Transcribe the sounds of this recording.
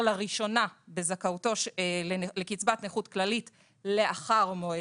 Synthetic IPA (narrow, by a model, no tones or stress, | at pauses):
laʁiʃo̞nabe̞zakauto̞ʃ | lekit͡sbatneχutklalit | le̞aχaʁmoe